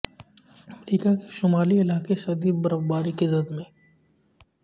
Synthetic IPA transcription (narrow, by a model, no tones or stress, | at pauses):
ɐmɾiːkakeʃʊmaːliɪlaːkesɐd̪iːbɐɾəbbaːɾikezɐd̪mẽː